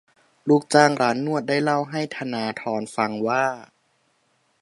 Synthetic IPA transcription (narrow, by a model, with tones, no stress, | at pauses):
luː˦˥˩k̚t͡ɕaː˧˩ŋɾaː˦nːu˥˩ət̪̚daː˥˩jla˥˩wɦa˥˩jt̪ʰa˧naː˨˧t̪ʰɔː˨˧˥nfa˧ŋwaː˥˩